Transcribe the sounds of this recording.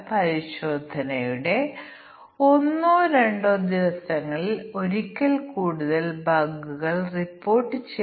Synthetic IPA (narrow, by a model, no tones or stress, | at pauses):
pɐɾiɕo̞ːd̪ʱɐnɐjuɽe̞ | o̞nːuɾe̞ɳɖod̪iʋɐsɐŋːɐɭo̞ɾikʲːɐlkuːɽuðɐlbɐɡuɣɐɭripːo̞ːrʈːɨt͡ɕe